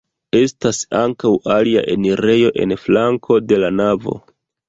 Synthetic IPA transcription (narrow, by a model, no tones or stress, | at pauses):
e̞stasaŋkawalia̰ʔe̞̰niɾe̞jo̞ʔe̞̰nflaŋkʰo̞de̞lanavo̞̰